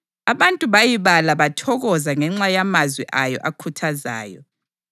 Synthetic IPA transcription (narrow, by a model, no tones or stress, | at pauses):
aβantʼuβajiβalaβatʰɔɣɔzaŋɛŋ͡ǁajamazwiʔajɔ̰ʔakʰutʰaza̰ːjɔ̰